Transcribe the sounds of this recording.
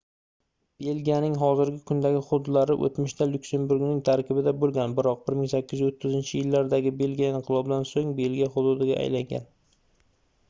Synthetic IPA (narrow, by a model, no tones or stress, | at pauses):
b̥e̞lɡʲijanɪŋɦɒzɪɾɡʲɪkʰʊnd̪aɡʲɪχʊd̪ʊd̪laɾɪʔo̰t̪mʊʃt̪ʰalʊkʲse̞mbuɾɡnɪŋt̪ʰaɾkʲʰɪbɪd̪abolˠɡʲanbɪɾɒq̚bɪɾmɪŋsakʲːɪzjot̪ʰːɪzɪnt͡ʃʰɪjɪlːaɾd̪aɡʲɪbe̞lɡʲijaɪɴqʰɨlˠɒbɪd̪ansoŋbe̞lɡʲijaχʊd̪ʊd̪ɪɡʲa̰ʔa̰jlaŋɡʲa̰n